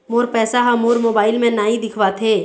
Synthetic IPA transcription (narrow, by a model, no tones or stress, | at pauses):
moːɾpɛːsaɦɐmoːɾmoːbaːɪlmẽnaːĩd̪ɪkʰʋat̪ʰeː